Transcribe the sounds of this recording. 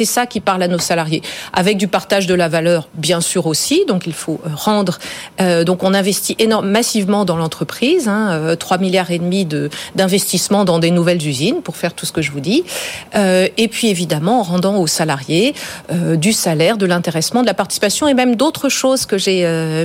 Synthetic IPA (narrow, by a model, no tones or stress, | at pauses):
sɛsakʲipaʁlanosalaʁjea̰vɛk̚d̪ypaʁt̪aʒd̪əlavalœːʁbjɛ̃syʁosid̪ɔ̃kilfoʔøʁɑ̃d̪ʁød̪ɔ̃kɔ̃nɛ̃vɛst̪iʔenɔʁmːasivmɑ̃d̪ɑ̃lɑ̃t̪χəpχizɛ̃øt̪χwamiljaʁed̪mid̪əd̪ɛ̃vɛst̪ismɑ̃d̪ɑ̃d̪enuvɛlzyzinpuʁfɛʁt̪usə̥kəʒəvud̪iøepɥievid̪amɑ̃ːʁɑ̃d̪ɑ̃osalaʁjeød̪ysalɛʁd̪əlɛ̃t̪eʁɛsmɑ̃d̪əlapaʁt̪i̥si̥pasjɔ̃emɛmd̪ot̪χəʃozkəʒeø